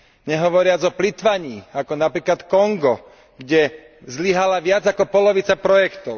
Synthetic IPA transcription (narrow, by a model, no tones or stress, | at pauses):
ɲɛɦɔʋɔɾɪad͡zɔplit̪ʋaɲiːakɔnapɾiːklat̪kɔŋɡɔ | ɡɟɛ | zliɦalaʋɪad͡zakɔpɔlɔʋit͡sapɾɔjɛkt̪ɔʊ